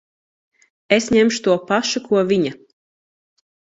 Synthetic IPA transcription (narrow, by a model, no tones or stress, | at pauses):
esɲemʃu̥t̪uɔpaʃukʰuɔviɲa